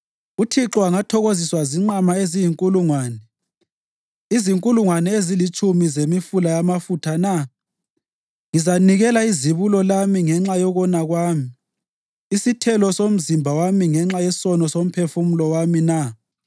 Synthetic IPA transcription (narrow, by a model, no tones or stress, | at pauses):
utʰiǁɔwaŋatʰɔɣoziswaziŋ͡ǁamaezijiŋkʼuluŋwaːnɛ | iziŋkʼuluŋwanɛezilit͡ʃʼumizemifulajamafutʰana | ŋizaniɣɛlaiziβulɔlamiŋɛŋ͡ǁajɔɣɔnaɣwaːmiː | sitʰɛlɔsom̩zimbʱawamiŋɛŋ͡ǁajɛsɔnɔsom̩pʰefumulɔwamina